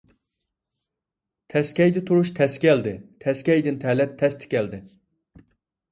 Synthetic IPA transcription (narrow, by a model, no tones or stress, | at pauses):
t̪ʰɛskʲɛjd̪ɪt̪ʰuɾuʃt̪ʰɛskʲɛld̪ɪt̪ʰɛskʲɛjd̪ɪnt̪ʰɛlɛp̚t̪ʰɛst̪ʰɪ̥kʲɛld̪ɪ